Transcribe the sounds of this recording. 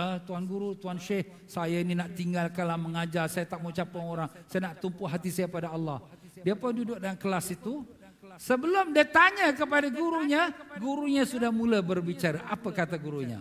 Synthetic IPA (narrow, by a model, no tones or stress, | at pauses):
ət̪uanɡuɾut̪uanʃeh | sajaininaʔt̪iŋɡalkalaməŋad͡ʒarsajat̪aʔmot͡ʃapaŋoɾaŋsajanaʔt̪umpʊɦat̪isajapadaɑlːɑh | diapadudʊk̚daankəlasit̪u | səbəlʊmdiat̪aɲakəpadaɡuɾuɲaɡuɾuɲasudahmulabərbit͡ʃaɾaʔapakat̪aɡuɾuɲa̰